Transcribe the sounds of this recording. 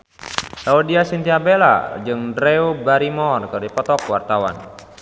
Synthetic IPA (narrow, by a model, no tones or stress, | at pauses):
saudiasint̪iabela̰d͡ʒɨŋdɾeubaɾimɔrkɨrdipɔt̪ɔkwart̪awa̰n